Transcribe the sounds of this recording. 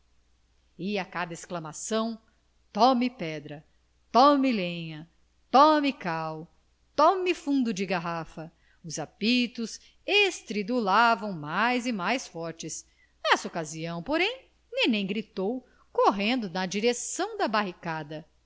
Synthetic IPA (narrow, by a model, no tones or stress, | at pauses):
ɪakad̪ɐesklɐmasɐ̃w̃ | t̪ɔmɪpɛd̪ɾɐ | t̪ɔmilẽɲɐ | t̪ɔmikaw | t̪ɔmɪfũd̪ʊd͡ʒɪɡaɦafɐ | ʊzapit̪ʊs | est̪ɾid̪ulavɐ̃w̃majzɪmajsfɔɾt͡ʃɪs | nɛsɐokaziɐ̃w̃poɾẽj̃ | nẽj̃nẽj̃ɡɾit̪ow | koɦẽnd̪ʊnɐd͡ʒiɾesɐ̃w̃d̪ɐbaɦikad̪ɐ